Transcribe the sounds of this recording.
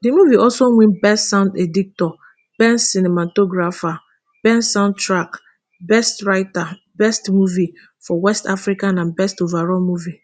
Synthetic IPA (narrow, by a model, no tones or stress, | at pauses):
dimuviʔɔlsoŋʷĩnbɛstsãʊ̃ndedik̚tɔ | b̥ɛnsinematoɡɾafa | b̥ɛ̃nsãʊ̃ntɾak | bɛstɾaɪta | bɛstmuvi | fɔwɛstafɾikanãnbɛstovaɾɔmuvi